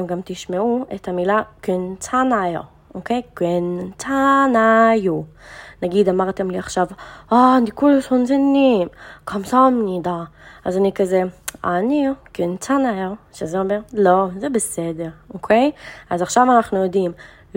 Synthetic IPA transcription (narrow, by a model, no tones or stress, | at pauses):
mɡamtɪʃmɛuɛthamilakɪnt͡sanaj | okeɪkɛnt͡sanajunaɡidamaʁtɛmliaχʃavadikulushɔnzɛnimkʰɔmsɔmnidaazanikazɛa̰nikɪnt͡sanajəʁʃazɔmɛʁlozɛbɪsɛdɛʁokʰeɪazaχʃavanaχnujɔdim